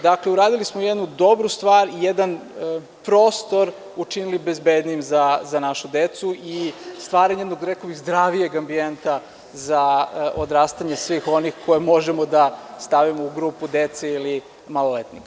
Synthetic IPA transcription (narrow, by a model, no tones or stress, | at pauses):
d̪akleuɾaːd̪ilismojed̪nud̪o̞bɾust̪ʋaːɾijed̪an | pɾoːst̪o̞ɾ | ut͡ʃinilibezbed̪nijimzazanaʃud̪et̪suist̪ʋaːɾaɲjed̪noɡɾekoʋiɣzd̪ɾaʋijeɡambient̪a | zaʔod̪ɾaːst̪aɲesʋixo̞nixkʰo̞jemo̞ʒemod̪ast̪aʋimouɡɾuːpud̪et̪seili | malˠolet̪nik